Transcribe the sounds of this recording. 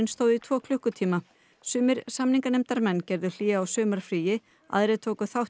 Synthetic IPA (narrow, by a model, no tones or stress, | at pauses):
ɪnst̪oːwðɪit̪ʰv̥ɔːkʰlʏhkʏt̪ʰiːma | sʏːmɪɾ̥samniŋkanɛmt̪aɾmɛnːcɛɾðʏl̥iːɣaːwsʏːmaɾ̥fɾiːjɪ | a̰ðɾɪt̪ʰoːwkʏθawh